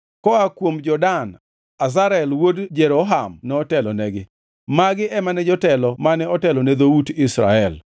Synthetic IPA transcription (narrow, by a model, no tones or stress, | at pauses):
kɔakwomd͡ʒɔdan | az̬aɾɛlwodd͡ʒɛɾoɦamnɛɔtɛlɔnɛɡɪ | maɡɪʔɛmanɛd͡ʒɔtɛlɔmanɛɔtɛlɔnɛd̪oudɪsɾa̰ɛl